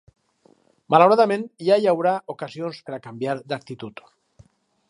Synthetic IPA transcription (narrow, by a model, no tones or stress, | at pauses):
mʔalawɾaðamẽnjajawɾaʔokasionspeɾakambjaɾd̪ak̚t̪it̪ut̪